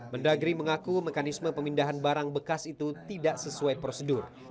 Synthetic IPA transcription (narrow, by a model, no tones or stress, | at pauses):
məndaɡɾiməŋakumekanisməpəmindaɦanbaɾaŋbəkasit̪ut̪idaʔsəsuajpɾosədʊr